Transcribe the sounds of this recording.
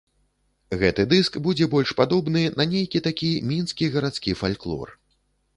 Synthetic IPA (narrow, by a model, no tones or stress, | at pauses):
ɣɛt̪ɨd̪ɨskbud͡zʲɛbɔlʲʂpad̪ɔbnɨnɐnʲejkʲit̪akʲimʲinskʲiɣɐɾat̪skʲifalʲklˠɔ̰r